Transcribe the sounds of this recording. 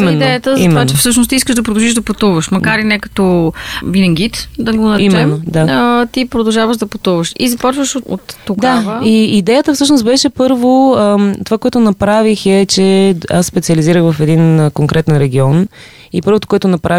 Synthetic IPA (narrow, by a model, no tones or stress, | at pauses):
imɛinːd̪ɛjət̪əzimmɛovaːt͡ʃɛfsɤʃ̬nost̪iskəʒd̪ɐpɾod̪ɐʒiʒd̪ɐpɐt̪uvəʃmɐkaɾinɛkɐ̥t̪ɔvinɛŋɡit̪d̪ɐɡonɐimɛɛnmːod̪aət̪ipɾod̪ɐlˠʒavəʒd̪ɐpɐt̪uvəʃḭzɐpɔt͡ʃvəʃoo̰t̪ːodɡ̪avəiːd̪ɛjət̪əfsɤʃnos̚bɛʃɛpɤɾvot̪ovakoɛt̪ʊnɐpɾavixɛt͡ʃɛassːpɛt̪siəliziɾəxvɐfɛd̪inkoŋkɾʔɛt̪ɛnɾɛɡʲiɔn | ipɤɾvot̪o̥koʊɛt̪onɐpɾai